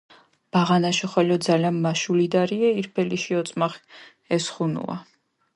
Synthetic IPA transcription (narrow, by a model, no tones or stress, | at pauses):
b̥aʁanaʃiχwɛlɔd̪zalanmaʃulid̪aɾiaiɾpʰɛliʃiɔt̪sʼmaχ | ɛsχunṵa̰